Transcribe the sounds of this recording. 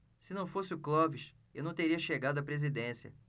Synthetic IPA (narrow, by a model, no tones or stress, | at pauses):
sɪnɐ̃w̃fosɪʊklɔviʃ | ewnɐ̃w̃t̪eɾiɐʃeɡad̪ʊɐpɾezid̪ẽsiɐ̰